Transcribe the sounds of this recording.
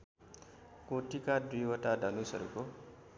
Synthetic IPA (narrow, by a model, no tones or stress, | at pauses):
koʈʰikad̪wijwʌʈadʱʌnusʌɾuko